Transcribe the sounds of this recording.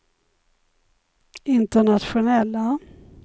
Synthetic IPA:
ɪnt̪əɳat̪ɧʊnɛlːa

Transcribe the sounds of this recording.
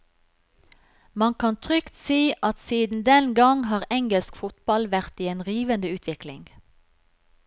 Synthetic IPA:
mɑnkʰɑnt̪ʰʁʏkt̪siːʔɑt̪siːd̪n̩d̪ɛnɡɑŋɦɑːʁɛŋɡəlskfʊt̪bɑlʋæʁt̪iːeːnʁiːʋənd̪əʉːt̪ʰʋɪklɪ̰ŋ

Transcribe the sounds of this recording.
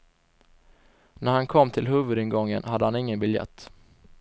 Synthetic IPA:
næɾhankʰɔmːt̪ʰɪlɦɵːvɵd̪ɪnɡɔŋːə̰nhad̪ːəhanɪŋːənbɪljɛ̰t̪ː

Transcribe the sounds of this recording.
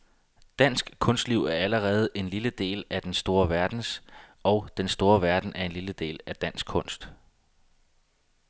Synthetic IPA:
d̥æn̰sɡ̥kʰɔ̽nsd̥liʊ̰æɐæləʁɛːð̞̩ˠe̝nliləd̥e̝̰ːlæd̥ensd̥o̝ːɐʋæɐd̥n̩sɒʊd̥ensd̥o̝ːɐʋæɐd̥n̩ʔæɐe̝nliləd̥e̝̰ːlæd̥æn̰sɡ̥̚kʰɔ̽n̰sd̥

